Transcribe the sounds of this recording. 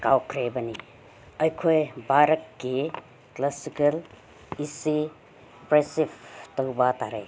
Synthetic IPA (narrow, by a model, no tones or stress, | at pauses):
kawkʰɾebɐni | ɐjkʰojbaɾɐkːi | klasikɐl | isi | pɾesiptowbataɾej